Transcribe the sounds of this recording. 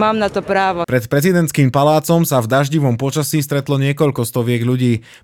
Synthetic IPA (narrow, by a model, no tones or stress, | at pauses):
maːmnat̪ɔpɾaːʋɔpɾɛt̪pɾɛzid̪ɛntt͡skiːmpalaːt͡sɔmsavd̪aʒɟiʋɔmpɔt͡ʃasiːst̪ɾɛt̪lɔɲɪɛkɔʎkɔst̪ɔʋɪɛɡʎuɟiː